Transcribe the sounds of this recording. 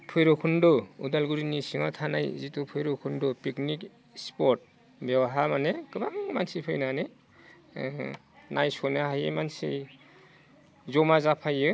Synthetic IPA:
pʰɯjɾɔkʰundɔudalɡuɾinisiŋatʰanajzitupʰɯjɾokʰundɔpiknik | spɔɾt̚ | bewaɦamanekɯbaŋmansipʰɯjnane | najsɔnaɦajɯmansḭ | zɔmazapʰajɯ

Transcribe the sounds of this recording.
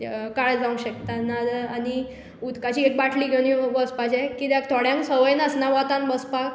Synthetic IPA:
kaɭd͡zaũɕəkt̪anad̪ani | ud̪kat͡ɕiːek̚baʈʰliːɡʱeɽ̃ibəspat͡ɕẽkit̪jak̚t̪ʰoɽjãŋksəʋəjnəsnaʋat̪ãnbəspak

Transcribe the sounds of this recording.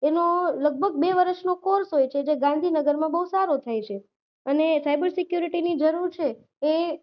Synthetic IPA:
enoləɡ̚bʱəɡ̚beʋəɾəʃnokoɾsɦojt͡ʃʰed͡ʒeɡãnd̪ʱinəɡəɾmãbəɦusaɾot̪ʰajt͡ʃʰe | ənesajbəɾsɪkjuɾiʈinid͡ʒəɾuɾt͡ʃʰeː

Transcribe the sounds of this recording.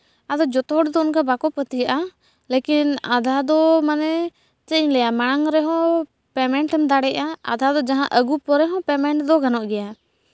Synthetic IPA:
ad̪ɔd͡ʒɔt̪ɔɦɔɽd̪ɔunkabakɔpət̪ijaʔa | lekina̰d̪ʱad̪ɔmanɛ | t͡ʃɛɲlɛjamaɽ̃aŋɾɛɦɔ̃ | pɛmɛɳʈɛmd̪aɽɛʔaa̰d̪ʱad̪ɔd͡ʒaɦãʔəɡupɔɾɛɦɔ̃pɛmɛɳʈd̪ɔɡanɔʔɡɛja

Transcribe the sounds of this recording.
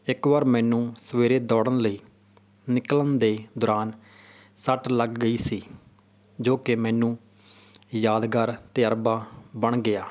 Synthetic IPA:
ɪkʋaːɾmɛ̃ːnũːsəʋeːɾeːd̪ɔːɽənləiː | nɪklənd̪eːd̪ɔːɾaːn | səʈləɡːəiːsiː | d͡ʒoːkemɛ̃ːnũː | jaːd̪ɡəɾt̪eːəɾbaːbəɳɡɪaː

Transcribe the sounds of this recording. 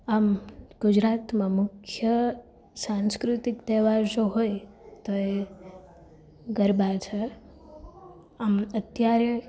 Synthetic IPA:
amɡ̥ud͡ʒɾat̪mãmʊkʰjə | sãnskɾut̪ikt̪ɛʋaɾʃoɦojt̪oe | ɡəɾbat͡ʃʰe | amət̪jaɾe

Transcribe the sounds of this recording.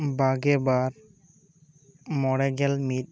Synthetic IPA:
baɡɛbaɾ | mɔɽɛɡɛlmit̚

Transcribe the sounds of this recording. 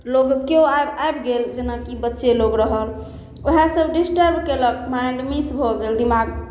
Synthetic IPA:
loɡkeoaebaebɡeld͡ʒenakibətːʃeloɡɾəɦəl | oɦasəbɖisʈəɾbkeləkmaɪɳɖmisbʱoɡeld̪imaɡ

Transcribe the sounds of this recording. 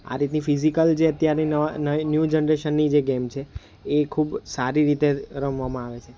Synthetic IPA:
a̰ɾit̪nifizikəld͡ʒeət̪jaɾninəʋanənjud͡ʒənɾeʃənːid͡ʒeɡemt͡ʃʰeː | kʰubsaɾiɾit̪eɾəmʋamãaʋet͡ʃʰe

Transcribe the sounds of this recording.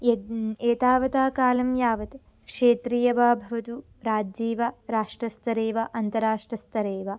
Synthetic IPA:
eːt̪aːʋɐt̪aːkaːlɐmjaːʋɐt̪ | kʂeːt̪ɾiːjɐʋaːbʱɐʋɐt̪u | ɾaːd͡ʒiːʋaɾaːʂʈɾɐst̪ɐɾeːʋaʔɐnt̪ɐɾaːʂʈɾɐst̪ʰɐɾeːʋa

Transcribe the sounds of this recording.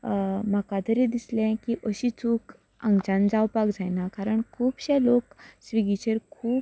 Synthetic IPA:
makad̪ʱəɾid̪islɛ̃kiʔəɕit͡suːk | ã̰ŋɡt͡ɕãnd͡zawpakd͡zajnakaɾəɳkʰuːbɕɛ̃loksʋiɡit͡ɕeɾkʰuːp

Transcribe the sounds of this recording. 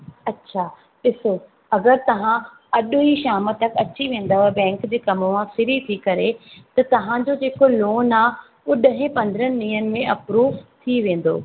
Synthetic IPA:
ɐtːɕʰaː | ɗɪso | ɐɡəɾt̪ɐʋ̤ã | ɐɗiʃaːmət̪ːɐkɐt͡ɕiʋẽːn̆d̪aːoɛbɛ̃ːŋkd͡ʑeːkɐmʋãsɪɾit̪ʰikɐɾet̪ɐt̪ɐʋ̤ãd͡ʑod͡ʑeːkoloːnaː | ʊɗəɦɪ̃pɐ̃nd̪əɾənɪ̆ɗĩːənɪ̆mẽʔɐpɾuːʋt̪ʰiʋẽːn̆d̪o̰ː

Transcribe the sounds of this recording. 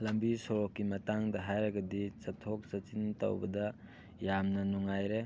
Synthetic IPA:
lɐmbisoɾokːimɐtaŋdɐɦajɾɐɡɐdit͡ʃɐtʰok̚sɐt͡ʃintɐ̰wbɐdɐ | jamnɐnuŋajɾe

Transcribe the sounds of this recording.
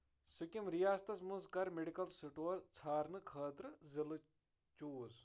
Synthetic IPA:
sɨkimɾijaːst̪ɐsmunzkɐɾmeɖikɐlsuʈoːɾt͡sʰaːɾnɨkʰəːd̪ɾɨzilɨ | t͡ʃuːz

